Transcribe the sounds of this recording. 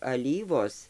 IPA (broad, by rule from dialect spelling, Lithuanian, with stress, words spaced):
ɐˈlʲiːʋoːs